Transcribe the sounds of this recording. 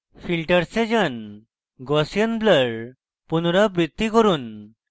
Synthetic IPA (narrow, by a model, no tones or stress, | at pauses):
filʈəɾsed͡ʑən | ɡɔsjənbləɭ | punɾabɾit̪ːikəɾuːn